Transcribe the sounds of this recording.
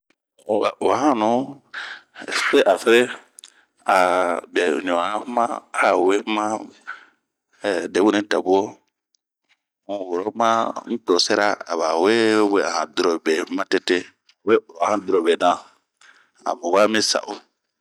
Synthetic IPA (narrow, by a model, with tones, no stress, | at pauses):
a˨o˨a˨ã˦nũ˨˦˨ | ɾe˦ʔa˨fe˦ɾe˦ | a˨bɛ˨ɲɔ̃˨a˦mã˦a˨we˦mã˦˨ | de˨˦wu˦nĩ˦ta̰˨bu˦o˦ | ũ˨wo˨ɾo˦mã˦n̩˦to˨sɛ˦ɾa̰˦a̰˨βa˨we˦we˦a̰˨hã˨du˨ɾo˨be˨˦mã˦te˦te˦˨ | we˦o˨ɾo˨a˨hã˦du˨ɾo˨be˨nã˨ | a̰˨mo˨ɡa˦mĩ˦sa̰˨ʔo˦